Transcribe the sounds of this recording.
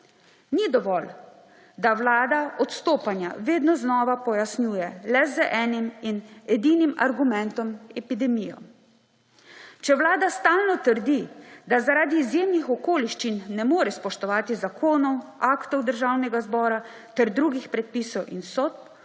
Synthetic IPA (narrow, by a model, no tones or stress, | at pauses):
nid̪ɔʋɔl | d̪awlaːd̪aʔɔt̪st̪oːpanja̰ʋeːd̪nɔznɔːʋapɔjasnjuːjɛlɛzəʔɛːniminɛd̪iːnima̰ɾɡumɛnt̪ɔmɛpid̪ɛmijɔ̰ | t͡ʃɛwlaːd̪ast̪aːlnɔt̪əɾd̪id̪azaɾaːd̪iːzjeːmnixɔkoːliʃt͡ʃinːɛmoːɾɛspɔʃt̪ɔʋaːt̪izakʰoːnɔwakt̪ɔwd̪əɾʒaːwnɛɡazbɔːɾa | t̪ɛɾd̪ɾuːɡixpɾɛt̪̚piːsɔwʔinsɔːt̪̚